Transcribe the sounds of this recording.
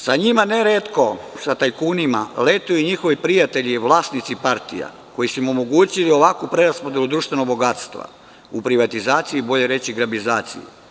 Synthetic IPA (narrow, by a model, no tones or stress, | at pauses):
saɲimaneɾet̪ko̞sat̪ajkuːnima̰let̪ujuiɲixo̞ʋipɾijat̪eʎiʋlˠaːsnit̪sipaɾt̪ḭja̰ | ko̞jisumomoɡuːt͡ɕilio̞ʋakupɾeɾaspod̪e̞lud̪ɾuːʃt̪ʋe̞noɡ̚bo̞ɡaːt̪st̪ʋa̰ | upɾiʋat̪izaːt̪siibo̞ʎe̞ɾe̞t͡ɕiɡɾabizaːt̪sḭjṵ